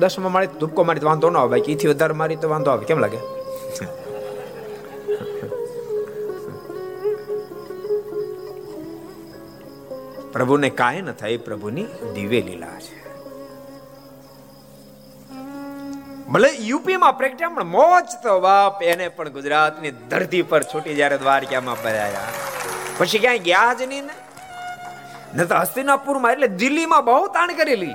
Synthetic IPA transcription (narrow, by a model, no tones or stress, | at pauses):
d̪əsəmə̃maɭed̪up̚komaɾit̪oʋãnd̪ʱonəɦoʋakit̪ʰiʋəd̪ʱaɾemaɾit̪oʋãnd̪oɦaʋekɛmlaːɡe | pɾəbʱunekaɦenət̪ʰajpɾəbʱunid̪iʋelḭla̰t͡ʃʰe̥ | məlejupimãpɾekəʈjãpəɳmɔt͡ʃt̪oʋapenepəɳɡʊd͡ʒɾat̪nid̪ʱəɾt̪ipəɾt͡ʃʰoʈid͡ʒjaɾed̪ʋaɾkjamãbəɾa̰ja̰ | pət͡ʃʰikjãːɡjad͡ʒnine | nət̪oɦəsinapuɾmãeʈled̪ɪlːimãbəɦut̪aɳ̃kəɾeli